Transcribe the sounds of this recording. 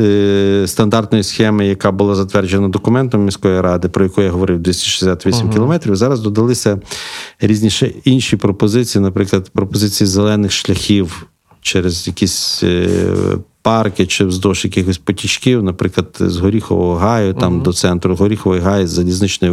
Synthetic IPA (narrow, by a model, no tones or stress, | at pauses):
st̪ɐnd̪ɑrt̪nɔjisxɛmɪjɐkɑbʊlˠɑzɐt̪ʋɛrd͡ʒenɐd̪ɔkʊmɛnt̪ɔmːʲisʲkɔʋiɾɑd̪ɪpɾɔjɐkujaɦɔʋɔɾɪwd̪ʋʲisʲt̪ʲi̥ʃʲesʲat̪ʋʲisʲimkʲɪlˠɔmɛt̪ɾʲiwzɑɾɐzd̪ɔd̪ɐlˠɪsʲɐ | ɾʲizʲnʲiʃɛinʃipɾɔpɔzɪt͡sʲijinɐpɾɪklˠɐd̪pɾɔpɔzɪt͡sʲijizelˠɛnɪxʃlʲɐxʲiw | t͡ʃɛɾezjɐkʲisʲ | pɑrkɪt͡ʃɪzd̪ɔʃjɐkixɔsʲpɔtʲit͡ʃkʲiwnɐpɾɪklˠɐd̪zɦɔɾʲixɔ̰ʋɔɦɔɦɑjʊt̪ɑmd̪ɔt̪sɛnt̪ɾʊɦɔɾʲixɔʋɔjɦɑjzɐlʲiznɪt͡ʃnɔj